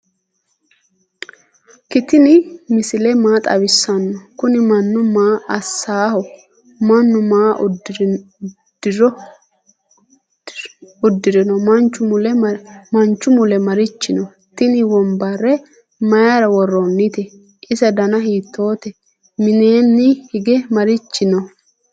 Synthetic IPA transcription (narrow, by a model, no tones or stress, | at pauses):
kɪt̪ɪnɪmɪsɪlɛmaːt̪ʼɐ̰βɪsːɐnːɔkʊnɪmɐnːʊmaːʔɐsːaːhɔ | mɐnːʊmaː | d̪̥ɪɾɔ | ʊd̪ːɪɾɪnɔmɐnt͡ʃːʊmʊlɛmɐnt͡ʃːʊmʊlɛmɐɾɪt͡ʃːɪnɔ | t̪ɪnɪwɔmbɐrːɛ | mɐjaɾɐwɔrːɔnːɪt̪ɛ | ʔɪsɐd̪ɐnɐɦiːt̪ʰːo̞ːt̪ɛ | mɪneːnːɪhɪɡɛmɐɾɪt͡ʃːɪnɔ